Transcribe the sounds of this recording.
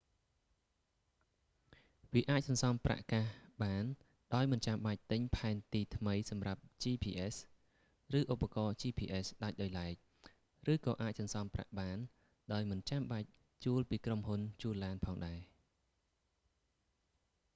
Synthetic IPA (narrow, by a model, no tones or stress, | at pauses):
ʋiəʔaːc̚sɑnsɑmpra̰ʔkahɓaːn | ɗaɔjmɨnt͡ɕamɓac̚t̪ɨɲpʰaɛnt̪iːt̪ʰməjsɑmrap̚t͡ɕiːpʰiːʔes | rɨːʔupːakɑːt͡ɕiːpʰiːʔesɗac̚ɗaɔjlaɛk̚ | rɨːkɑːʔaːc̚sɑnsɑmpra̰ʔɓaːn | ɗaɔjmɨnt͡ɕamɓac̚ | t͡ɕuəlpiːkromɦunt͡ɕuəlːaːnpʰɑːŋɗaɛ